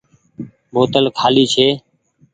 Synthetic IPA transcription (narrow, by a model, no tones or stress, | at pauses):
boːt̪əlkʰaːliːt͡ʃʰeː